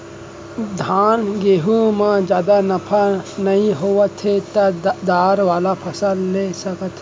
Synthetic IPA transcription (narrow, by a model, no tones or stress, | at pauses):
d̪ʱaːnɡeːɦũmãd͡ʒjaːd̪anɐpʰnɐɦĩɦoːʋət̪ʰet̪ad̪aːɾʋaːlapʰɐsəlːesɐkət̪ʰ